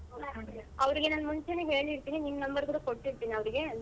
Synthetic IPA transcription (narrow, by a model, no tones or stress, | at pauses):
ɐʋɐɾɯɣenaːnmʊɲt͡ʃɐneɦeːliɾɯt̪ːiːneniŋɡɐnɐmbɐɾkuːɽɐkɔʈːɪɾɯt̪ːiːnɐʋɐɾɯɡe